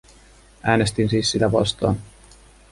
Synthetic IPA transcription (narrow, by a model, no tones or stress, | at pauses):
ʔæːne̞st̪insiːsːit̪æpɑ̰st̪ɑ̰ːn